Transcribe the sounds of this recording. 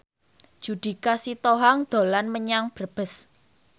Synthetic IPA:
d̥ʒ̥ṳd̪̥i̤kasit̪oɦaŋd̪̥o̤lanməɲaŋb̥ərb̥ə̤s

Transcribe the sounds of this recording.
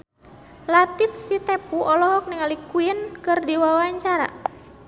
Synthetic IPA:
lat̪ifsit̪ɛpuʔɔlɔɦɔk̚niŋalikuənkɨrdiwawaɲt͡ʃaɾa̰

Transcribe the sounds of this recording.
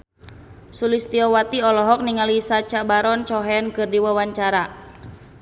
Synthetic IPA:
sulist̪iɔwat̪iɔlɔɦɔk̚niŋalisat͡ʃabaɾɔnt͡ʃɔɦɛnkɨrdiwawaɲt͡ʃaɾa

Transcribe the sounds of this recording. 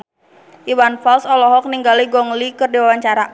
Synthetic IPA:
ʔiwanfalsɔlɔɦɔk̚niŋɡaliɡɔŋlikərdiwawaɲt͡ʃaɾa

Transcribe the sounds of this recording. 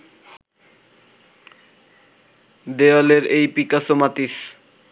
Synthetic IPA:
d̪ealeɾejpikasomat̪iʃ

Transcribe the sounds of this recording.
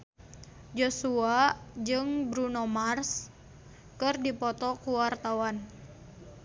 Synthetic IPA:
d͡ʒosuad͡ʒɨŋbɾunomars | kɨrdipɔt̪ɔkuwart̪awan

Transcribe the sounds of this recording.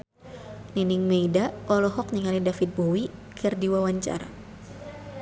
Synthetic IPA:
ninɪŋmeidaɔlɔɦɔk̚niŋalidafit̪̚bowikʰərdiwawaɲt͡ʃa̰ɾa̰

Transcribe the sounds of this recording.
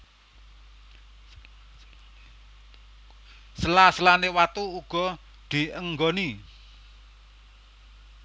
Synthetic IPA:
səlasəlanewat̪uuɡ̥ɔ̤ | d̪̥i̤əŋɡɔni

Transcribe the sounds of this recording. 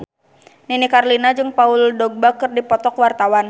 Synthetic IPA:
ninikarlinad͡ʒɨŋpauldɔɡ̚bakɨrdipɔt̪ɔkwart̪awan

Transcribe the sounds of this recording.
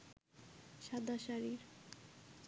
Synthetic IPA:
ʃad̪ʱaʃaɾiɾ

